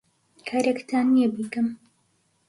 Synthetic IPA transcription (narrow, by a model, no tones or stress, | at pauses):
kʰaɾekt̪aːnijebikɨm